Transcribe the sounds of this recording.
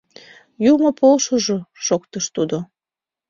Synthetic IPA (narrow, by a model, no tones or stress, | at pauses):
jumopolʃoʒoʃokt̪əʃt̪ud̪o